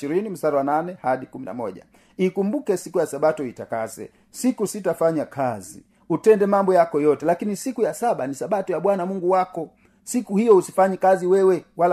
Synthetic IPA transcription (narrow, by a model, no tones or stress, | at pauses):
iɾinim̩saɾawananɛhaɗikumina̰mɔʄa̰ | ikumbukɛsikujasaɓatɔitakazɛ̰ | sikusitafaɲakʰazḭ | utɛndɛmambɔjakɔjɔtɛlakinisikujasaɓanisaɓatɔjaɓwanamuŋɡuwakɔ | sikuhijɔusifaɲɛkaziwɛwɛwal